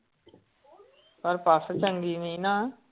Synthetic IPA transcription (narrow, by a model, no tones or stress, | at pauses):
pəɾpaːst͡ʃəŋɡiːʋĩːnaː